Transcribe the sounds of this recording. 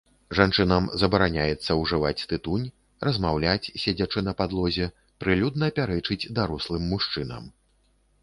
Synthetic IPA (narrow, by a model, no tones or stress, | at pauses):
ʐant͡ʂɨnɐmzɐbɐɾanʲajɛt̪sːɐwʐɨvat͡sʲt̪ɨt̪unʲ | ɾɐzmawlʲat͡sʲsʲad͡zʲat͡ʂɨnɐpad̪lˠɔzʲɛ | pɾɨlʲud̪̚nɐːpʲaɾɛt͡ʂɨd͡zʲd̪aɾɔslˠɨmːuʂt͡ʂɨnɐ̰m